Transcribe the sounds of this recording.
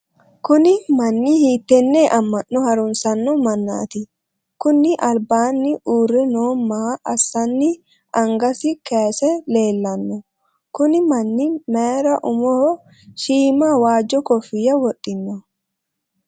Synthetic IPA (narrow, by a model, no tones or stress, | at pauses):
kʊnɪmɐnːɪhiːt̪ːɛnːeːʔɐmːɐʔːɔhɐɾʊnsɐnːɔmɐnːa̰ːt̪ɪ | kʊnːɪʔɐlbaːnːɪʔuːrːɛnoːmːaːʔɐsːɐnːɪ | ʔɐŋɡɐsɪkeːsɛle̞ːlːɐnːɔ | kʊnɪmɐnːɪmeːɾɐʔʊmɔhɔ | ʃiːmawaːd͡ʒːɔkɔfɪjɐwɔɗʼɪnːɔ